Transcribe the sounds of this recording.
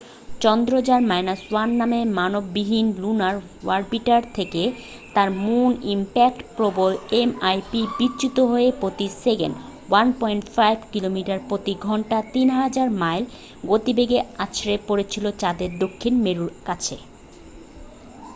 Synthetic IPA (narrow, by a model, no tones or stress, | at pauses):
t͡ɕɔnd̪ɾod͡ʑaɾmajnaswanːamemanobːiɦinlunaɾ | waɾbiʈaɾt̪ʰeke | t̪aɾmunimpɛk̚ʈpɾobolemajpibitːt͡ɕut̪oɦoepɾot̪iseɡḛn | wanpɔjɳʈfajbkilomiʈaɾpɾot̪iɡʱɔɳʈat̪inɦad͡ʑaɾmajl | ɡot̪ibeɡeat͡ɕɾepoɾet͡ɕʰilot͡ɕad̪eɾd̪okʰːinmeɾuɾkat͡ɕʰḛ